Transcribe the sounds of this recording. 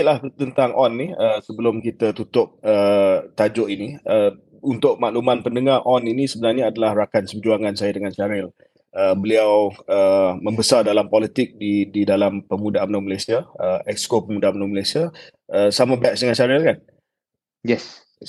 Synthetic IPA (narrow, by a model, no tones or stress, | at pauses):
laht̪ənt̪aŋʔɔnːiəsəbəlʊmkit̪ət̪ut̪ʊp̚ət̪ad͡ʒʊʔiniə | unt̪ʊʔ̚maʔlumanpəndəŋarʔɔninĩsəbənarɲaːdalahrakansəbd͡ʒuaŋansajadəŋansaɾɪl | əbəliawəmə̃mbəsardalampɔlit̪ɪk̚dididalampəmudaʔamnaməlasiaəɛkskopəmudaamnaməlasia | əsamãbɛksdəŋansaɾɪlkan | jɛs